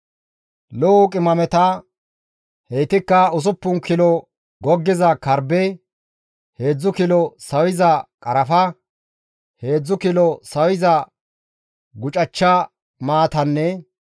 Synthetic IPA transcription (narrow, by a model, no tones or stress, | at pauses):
lɔʊkʼɪmɐmɛt̪ɐ | hejt̪ɪkːɐʊs̬ʊpːʊnkɪlɔ | ɡɔɡːɪzɐkɐɾbɛ | he̞ːd͡zːʊkɪlɔsɐwɪzɐkʼɐɾɐfɐ | he̞ːd͡zːʊkɪlɔsɐwɪzɐ | ɡʊt͡ʃʼɐt͡ʃːɐ | maːt̪ɐnːɛ